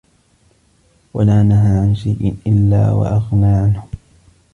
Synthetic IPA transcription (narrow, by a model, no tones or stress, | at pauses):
walaːnaɦaːʕanʃajʔɪ̰ʔɪlːa̰ːwa̰ʔaɣnaːʕanhʊ